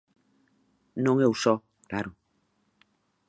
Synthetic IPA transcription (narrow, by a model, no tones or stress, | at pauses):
nõŋeusɔ | kɾaɾo